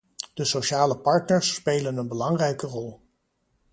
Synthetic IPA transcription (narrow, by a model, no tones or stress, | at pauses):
d̥əsoʃaːləpɑɹtnəɹsːpejlənənbəlɑŋrɛjkərɔlˠ